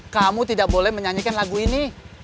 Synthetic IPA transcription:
kamut̪idak̚bolɛhməɲaɲikanlaɡuini

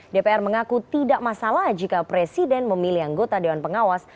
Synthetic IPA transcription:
depeɛrməŋakut̪idaʔmasalahd͡ʒikapɾesidɛnməmilihaŋɡot̪adewanpəŋawas

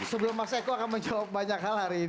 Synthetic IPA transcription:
səbəlʊmːasaikuakanməɲd͡ʒawap̚baɲakɦalaɾi

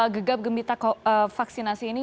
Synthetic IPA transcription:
əɡəɡap̚ɡəmbit̪akɔəfaksinasiːni

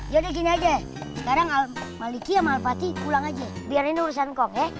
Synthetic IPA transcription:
d͡ʒadik̬iniad͡ʒa | sə̥kaɾaŋalmalikiamaːlfat̪ipulaŋad͡ʒɛbiariniuɾusankɔŋɛ

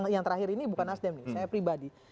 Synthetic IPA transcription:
jaŋt̪əɾahɪɾinibukanasdɛmnɪsajapɾibadi

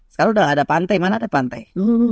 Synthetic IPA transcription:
sə̥kaɾaudalɦadapant̪ajmanaːdapant̪aj̩

